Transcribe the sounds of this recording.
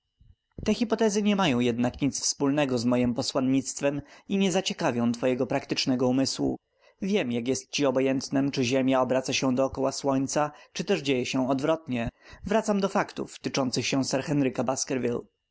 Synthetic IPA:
t̪ɛxʲipɔt̪ɛzɘɲɛmajɔ̃w̃jɛd̪nakɲit̪sfspulnɛɡɔzmɔjimpɔswanɲit̪st̪fɛmiɲɛzat͡ɕɛkavʲjɔ̃w̃t̪fɔjɛɡɔpɾakt̪ɘt͡ʂnɛɡɔumɘswṵ | vʲjɛmjakjɛst̪̚t͡ɕiɔbɔjɛnt̪nɛmt͡ʂɘʑemʲjaɔbɾat̪saɕɛ̃d̪ɔːkɔwaswɔɲt̪sat͡ʂɘt̪ɛʐd͡ʑejɛɕɛ̃ɔd̪vɾɔt̪ɲɛvɾat̪samd̪ɔfakt̪ṵft̪ɘt͡ʂɔnt̪sɘxɕɛ̃sɛɾxɛnɾɘkabaskɛɾvʲḭl

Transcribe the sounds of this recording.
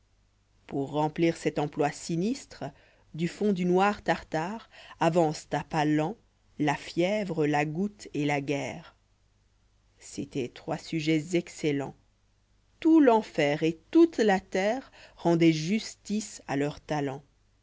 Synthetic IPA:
puʁːɑ̃pliːʁsɛt̪ɑ̃plwasinist̪χə | d̪yfɔ̃d̪ynwaʁt̪aʁt̪aʁavɑ̃st̪apalɑ̃ | lafjɛvʁəlaɡut̪elaɡɛːʁ | set̪ɛt̪χwasyʒɛzɛkselɑ̰̃ | t̪ulɑ̃fɛːʁet̪ut̪lat̪ɛːʁːɑ̃d̪ɛʒyst̪isa̰lœʁt̪alɑ̃

